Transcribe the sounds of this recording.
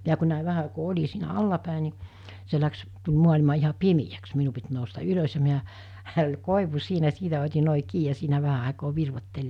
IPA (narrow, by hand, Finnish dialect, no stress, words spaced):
miæ ku næˑi ʋæhæ ɑˑikoː olʲi siːnæ ɑlːɑpæˑe niˑ se læks tulʲ muɑlʲimɑ ihɑ pimijæks minu pit noustɑ ylos jɑ miæ hæ ol koˑiʋu siːnæ siːtæ otʲi noˑi kiː jɑ siːnæ ʋæhæ ɑˑekoː ʋirʋotːelːiː